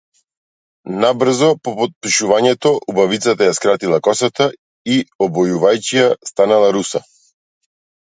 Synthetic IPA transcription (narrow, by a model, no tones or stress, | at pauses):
nabr̩zɔpɔpɔt̪̚piʃuvaɲɛt̪ɔʔubavit̪sat̪ajaskɾat̪ilˠakɔsat̪a | iɔbɔjuvajcijast̪analˠaɾusa